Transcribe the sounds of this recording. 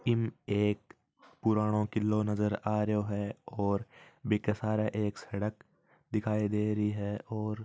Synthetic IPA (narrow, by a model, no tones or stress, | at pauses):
ɪmeːk̚ | pʊɾaːɽ̃õkɪlːonɐzəɾaːɾəɦoɦɛɔːɾbɪkəsaːɾaʔeːksɛɽək | d̪ɪkʰaːid̪eːɾɐɦiɦɛːʔɔːɾ